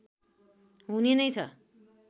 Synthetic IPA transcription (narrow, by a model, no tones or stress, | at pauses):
ɦunenʌjt͡sʰʌ̰